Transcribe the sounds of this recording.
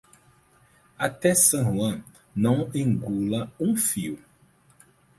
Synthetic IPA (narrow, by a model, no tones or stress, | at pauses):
at̪ɛsɐ̃ʒuɐ̃ | nɐ̃w̃ẽŋɡulɐũfiw